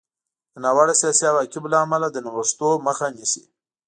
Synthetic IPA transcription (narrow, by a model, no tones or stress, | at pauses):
d̪ənɑwaɽasijɑsiawakɪblaːmalad̪ənawəst̪oməxanisi